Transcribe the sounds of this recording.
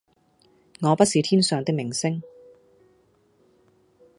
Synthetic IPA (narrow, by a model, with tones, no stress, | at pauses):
ŋɔː˨˧pɐ˥t̚siː˨˧t̪ʰiː˥nsœː˨ŋt̪ɪ˥k̚mɪ˨˩ŋsɪ˥ŋ